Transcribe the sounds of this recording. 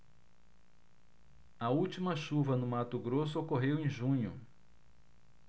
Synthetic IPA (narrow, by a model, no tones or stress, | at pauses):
ɐut͡ʃimɐʃuvɐnʊmat̪ʊɡɾosʊokoɦewẽj̃ʒũɲʊ